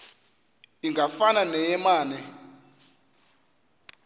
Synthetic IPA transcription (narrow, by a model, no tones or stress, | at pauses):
iŋɡafananɛjɛmaːnɛ